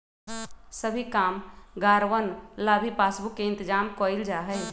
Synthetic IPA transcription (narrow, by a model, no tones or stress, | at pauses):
səbʱikaːmɡaɾʋənlabʱipasbukːeɪnt̪əd͡ʒamkɔild͡ʒaɦɛj